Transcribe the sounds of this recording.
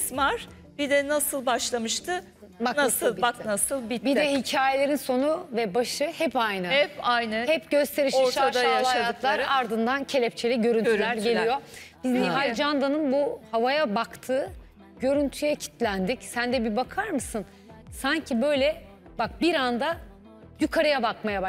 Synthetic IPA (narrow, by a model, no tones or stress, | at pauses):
smaɾ̥ | b̥id̪ɛnasɯlˠbaʃlˠamɯʃt̪ʰɯ | banasɯlˠbaknasɯlˠbibid̪ɛhicʰaːjelʲeɾinso̞nuvɛbaʃɯhɛpajnɯhɛpajnɯhɛpɟø̞st̪ʰe̞ɾiʃɛɾʃaajaalˠajatɯt̪lˠaɾaɾd̪ɯnd̪ancʰe̞lʲɛp̚t͡ʃʰe̞lʲiɟø̞ɾynylʲæɾɟeelʲijo̞bizniɦalʲd͡ʒand̪anɯnbuhavajabakt̪ʰɯː | ɟø̞ɾynt̪ʰyjɛcʰi̥t̪ʰlʲænd̪icsænd̪ɛbibakʰaɾmɯsɯn | saɲcʰibø̞jlʲɛ | bak̚biɾand̪a | jykʰaɾɯjabakmajab